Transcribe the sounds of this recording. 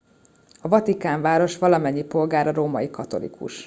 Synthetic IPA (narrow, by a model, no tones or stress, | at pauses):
ɒvɒt̪ikaːɱvaːɾo̞ʃʋɒlɒmɛɲːipo̞lɡaːɾɒɾoːmɒjikɒt̪o̞̰lḭkʰṵʃ